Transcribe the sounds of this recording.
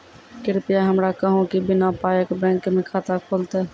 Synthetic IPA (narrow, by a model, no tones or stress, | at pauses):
kɪɾpijaɦəmɾakəɦõkibɪnapaːjəkbɛ̃ːŋkmẽkʰaːt̪akʰoːlt̪ɛː